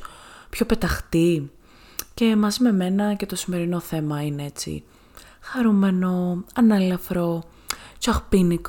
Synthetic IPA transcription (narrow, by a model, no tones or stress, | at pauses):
pço̞pe̞t̪ɐxt̪i | ce̞mɐzime̞me̞nɐce̞t̪o̞sime̞ɾino̞θe̞mɐinee̞t͡sḭ | xɐɾume̞no̞ɐnɐlɐfɾo̞ | t͡ʃɐxpinik